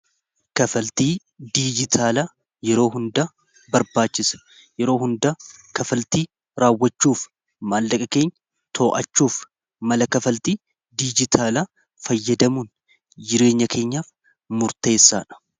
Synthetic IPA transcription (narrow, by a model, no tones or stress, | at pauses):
kɐfɐlt̪iː | d̪iːd͡ʒɪt̪ʰaːlɐ | jɛɾo̞ːɦʊnd̪ɐ | bɐɾbaːt͡ʃːɪsɐ̥ | jɛɾo̞ːɦʊnd̪ɐkɐfɐlt̪iː | ɾaːwːɐt͡ʃːuːf | maːlːɐkʼɐke̞ːɲːɐ | t̪ʰo̞ːʔɐ̰t͡ʃːuːf | mɐlɐkɐfɐlt̪iː | d̪iːd͡ʒɪt̪ʰaːlɐ | fɐjːɐd̪ɐmuːn | d͡ʒɪɾe̞ːɲːɐkʰe̞ːɲːaːf | mʊɾt̪e̞ːsːaːᶑɐ̥